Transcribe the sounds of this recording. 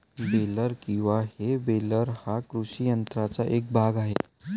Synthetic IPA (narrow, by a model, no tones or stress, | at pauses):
beləɾkĩw̃ʋahebeləɾhakɾuɕijənt̪ɾat͡saʔek̚bʱaɡaɦe